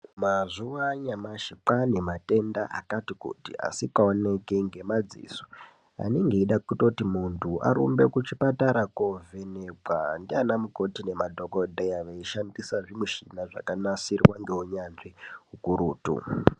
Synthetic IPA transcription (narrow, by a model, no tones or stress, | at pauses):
mazuʋaɲamaʃiǃanemate̞ndaʔakatikṵtḭa̰sikaonekeŋɡe̞mad͡zḭːso | a̰neŋɡeiɗakuto̞timuntʰuʔa̰ɾṵmbe̞kut͡ʃipataɾakovʱe̞neɡʱwandianamuko̞tine̞madʱoko̞dʱejaʋeiʃandisaʐimuʃinaʐa̰kanasirwaŋɡeɦuɲanʐiɦukuɾṵːtṵ